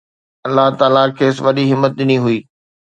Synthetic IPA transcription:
ɐlːaɦt̪aːlakʰeːsʋɐɗiɦɪmːət̪̚ɗɪniɦuiː

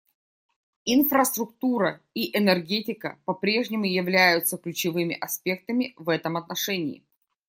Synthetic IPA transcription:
infɾəst̪ɾʊk̚t̪uɾəiʔɛnɛrɡʲetʲɪkə̰pɐpɾʲe̞ʐnʲɪmʊjɪvlʲæjʊt̪səklʲʉt͡ɕɪvɨmʲɪ̰ʔɐspʲe̞k̚t̪əmʲɪvɛt̪əmɐt̪nɐʂɛnʲɪ̰ː

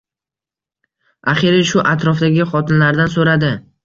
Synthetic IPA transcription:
aχɪɾɪʃʊʔat̪ʰɾɒfd̪aɡʲɪχɒt̪ʰɪnlaɾd̪ansoɾad̪ɪ

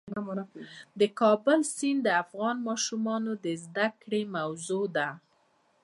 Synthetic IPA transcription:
d̪əkɑbʊlsind̪əafɣɑnmɑʃumɑnod̪əzd̪akɽemawzod̪a

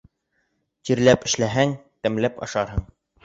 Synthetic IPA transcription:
ʑiɾlæpɘ̆ʃlæɦæŋt̪æ̆mlæpɑ̰ʃɑɾɦɤɴ

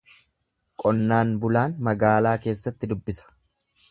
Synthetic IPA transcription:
kʼɔnːaːnbʊlaːnmɐɡaːlaːke̞ːsːɐt̪ːɪd̪ʊbːɪsɐ̥

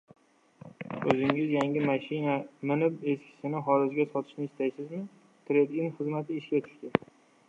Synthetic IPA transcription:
ɵzɪŋɪzjaŋʲɪmaʃɪnamɪnɪpe̞skʲʰɪ̥sɪnɪɦɒɾɪzɡʲasɒt̪ʰɪ̥ʃnɪɪʃt̪ajsɪzmɪ | t̪ʰɾed̪ɪnχɨzmat̪ʰɪːʃkʲat͡ʃ̪ʰʊ̥ʃt̪ɪ

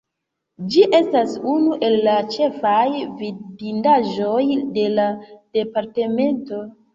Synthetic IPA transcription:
d͡ʒiʔe̞stasunuʔe̞lːat͡ʃe̞fajvidindaʒo̞jde̞lad̥e̞paɾte̞me̞nto̞

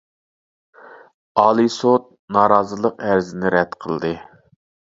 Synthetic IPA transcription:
ɑːlˠisot̪̚nɑːɾɑːzɨlˠəqæɾzɪnɪɾɛt̪qʰə̰lˠd̪ɨ

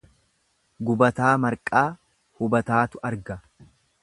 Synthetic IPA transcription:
ɡʊbɐt̪aːmɐɾkʼaː | hʊbɐt̪aːt̪ʊʔɐɾɡɐ

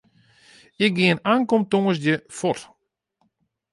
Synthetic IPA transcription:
ɪk̚ɡiənaːnkomtoŋəs̬jəfɔt

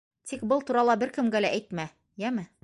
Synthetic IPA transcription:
t̪ik̚bɤlˠt̪uɾɑlˠɑbɘɾkɘ̆mɡælæʔæjt̪mæ | jæmɘ

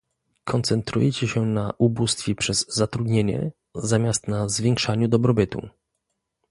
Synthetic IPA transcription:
kʰɔnt̪sɛnt̪ɾṵjɛt͡ɕɛɕɛnaʔubust̪fʲɛpʂɛzːat̪ɾud̪ɲeɲɛ̰ | zamʲjast̪nazvʲjɛ̃ŋkʂaɲud̪ɔbɾɔbɘt̪ṵ

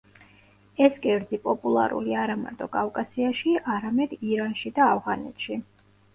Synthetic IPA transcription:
ɛskʼɛɾd̪zipʼɔpʼulˠa̰ɾṵliaɾama̰ɾt̪ʼɔkʼafkʼasiaʃiaɾamɛd̪iɾanʃid̪aːvʁanɛ̰t̪ʃi

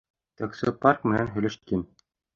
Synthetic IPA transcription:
t̪aksopɑrkmɘ̆nænɦɵ̆jlɘ̆ʃkin

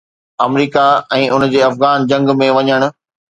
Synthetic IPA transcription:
ɐmɾiːkaɛ̃ːʔʊnd͡ʑeːɐfɣaːnd͡ʑɐ̃ŋɡmẽʋɐɲəɽ̃ʊ̆

